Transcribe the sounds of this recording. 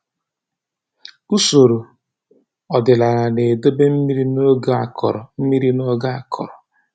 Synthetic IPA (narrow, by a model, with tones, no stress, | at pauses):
u˦so˨ɾo˨ | ɔ˨dɪ˨la˨ɾa˨ne˨do˦be˦m̩˦mi˦ɾi˦no˦ɡa˦a˨kʰɔ̰˨ɾɔ˨m̩˦mi˦ɾi˦no˦ɡa˦a˨kʰɔ̰˨ɾɔ˨